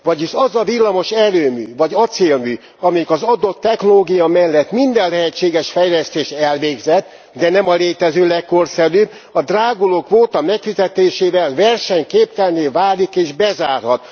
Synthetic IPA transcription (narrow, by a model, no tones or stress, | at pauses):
ʋɒɟiʃɒzɒvilːɒmo̞ʃɛløːmy̰ːvɒɟɒt̪seːlmyː | ɒmɛjikɒzɒd̪o̞t̪ːɛknoloːɡijɒmɛlːɛt̪mind̪ɛllɛɦɛt͡ʃːeːɡɛʃfɛjlɛst̪eːʃɛlveːɡzɛt̪ː | d̪ɛnɛmɒleːt̪ɛzøːlɛkːo̞rsɛɾyːb | ɒd̪raːɡoloːkʋoːt̪ɒmɛkfizɛt̪eːʃeːvɛlvɛrʃɛɲkeːpkɛlneːvaːlikeːʒbɛzaːrhɒt̪